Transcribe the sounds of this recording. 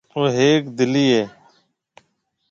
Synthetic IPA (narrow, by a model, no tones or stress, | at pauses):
oːɦeːkd̪ɪliːɦeː